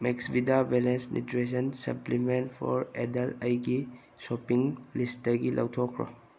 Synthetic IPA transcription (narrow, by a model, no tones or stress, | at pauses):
meksbidabɛlensnʔḭtɾes̬ɔnsɐ̰plimenpʰɔ̰ɾedalajɡi | sɔpiŋlistdaɡilʔa̰wtʰɔkʰɾɔ̰